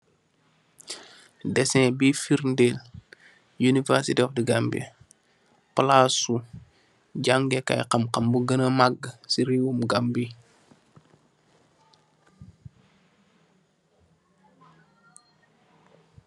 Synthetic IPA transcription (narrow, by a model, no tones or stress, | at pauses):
dɛsɛ̃bifiɾndel | junivɛɾsitɔfdiɡambḭ | plasu | ɟaŋɡɛka̰jqɐmqɐmbuɡənəmaɡːsiɾiwumɡambi